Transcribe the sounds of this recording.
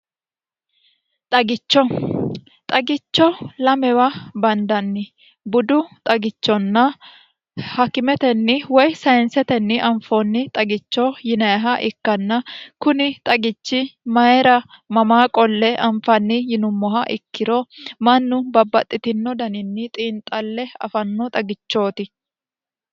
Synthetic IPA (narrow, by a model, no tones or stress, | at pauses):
t̪ʼɐɡɪt͡ʃːɔ | t̪ʼɐɡɪt͡ʃːɔlɐmɛwɐbɐnd̪ɐnːɪ | bʊd̪ʊt̪ʼɐɡɪt͡ʃːɔnːɐ | hɐkːɪmɛt̪ɛnːɪwɔjsɐjɛnsɛt̪ɛnːɪʔɐɱfonːɪt̪ʼɐɡɪt͡ʃːɔjɪnɐɦɐʔɪkːɐnːɐkʊnɪt̪ʼɐɡɪt͡ʃːɪmɐɛɾɐ | mɐmaːkʼɔlːɛʔɐɱfɐnːɪjɪnʊmːɔɦɐʔɪkːɪɾɔmɐnːʊbɐbɐt̪ʼːɪt̪ɪnːɔd̪ɐnɪnːɪt̪ʼiːnt̪ʼɐlːɛɐ̰fɐnːɔt̪ʼɐɡɪt͡ʃːo̞ːt̪ɪ